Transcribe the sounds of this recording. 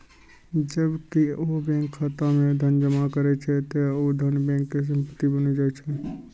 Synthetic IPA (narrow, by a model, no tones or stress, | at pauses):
d͡ʒəbkiobɛ̃ŋkʰːat̪amẽd̪ʱənd͡ʒəmakəɾɛt͡ʃʰɛt̪ood̪ʱənbɛ̃ːkːes̬ə̃mpət̪ːibənid͡ʒaːɛt͡ʃʰɛ